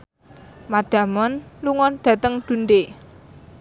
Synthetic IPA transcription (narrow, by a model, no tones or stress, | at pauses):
maɖ̪̥ä̤mɔnluŋɔnd̪̥ä̤t̪əŋd̪̥ṳnd̪e